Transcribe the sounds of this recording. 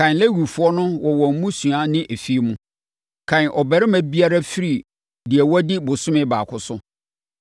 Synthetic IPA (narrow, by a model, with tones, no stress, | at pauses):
kʰã˨n˨lɛ˦wu˨fu˨˦ɔ˦nʊ̃˦wɔ˨wɔ˨m̩˨mũ˦sũ˨a˦nɪ̃˦ʔe˨fi˦mũ˦ | kʰã˨n˨ʔɔ˨bɛ˨ɾɪ˦mæ̃˦bi˦a˦ɾa˦fi˦ɾi˨ | di˨ɛ˨wɔ˦dɪ˦bʊ˨sʊ̃˦mɪ̃˦baː˨kʰʊ˨sʊ˦